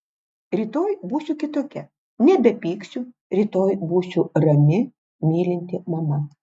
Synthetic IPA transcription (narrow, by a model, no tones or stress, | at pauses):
ɾʲiːt̪oːjbuːsʲuːkʲɪt̪oːkʲɛ | nʲɛbʲɛpʲiːksʲu | ɾʲiːt̪oːjbuːsʲuɾɐmʲɪ | mʲiːlʲɪnʲt̪ʲɪmɐmɐ